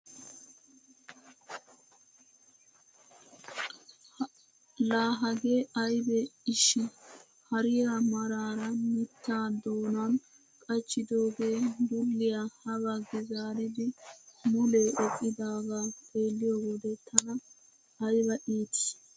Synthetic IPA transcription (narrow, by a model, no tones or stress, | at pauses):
laːɦɐɡe̞ːʔɐjbɛɪʃɪ | hɐɾɪjamɐɾaːɾɐnɪt̪ːaːd̪oːnan | kʼɐt͡ʃːɪd̪o̞ːɡe̞ːbʊlːɪjahɐβɐɡɛzaːɾɪd̪ɪmʊleːʔɔkʼːɪd̪aːɡaːpʰʼe̞ːlːɪjoːɡɔd̪ɛt̪ʰɐnɐ | ɐjbɐʔiːt̪ɪ̥